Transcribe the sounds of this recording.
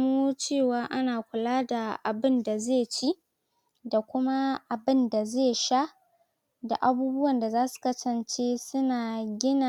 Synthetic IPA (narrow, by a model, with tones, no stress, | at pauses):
mu˦t͡ʃeː˦˨waː˦ʔa˦naː˨kʷʊ˨laː˦da˨ʔa˨bɪ˦nda˨zeː˦˨t͡ʃi˦ | da˨kʷʊ˦ma˦ʔa˨bɪ˦nda˨zeː˦˨ʃa˦ | da̰˨ʔa˨buː˦bʊ˦wɐ˨nda˨zaː˦su̥˨kɐ˦sɐ˨nt͡ʃeː˦sʊ˦naː˨ɡʲɪ˦na˨